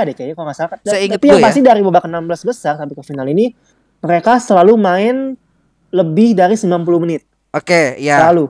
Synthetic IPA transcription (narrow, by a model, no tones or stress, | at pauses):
dakajakaloŋasalkaiŋpijaŋpastɪdaɾibabakənambəlasbəsart̪apikəfinalini | məɾekasəlalumaɪn | ləbɪhdaɾisəmilanp̬uluhmənɪt̪̚ | okejasəlalu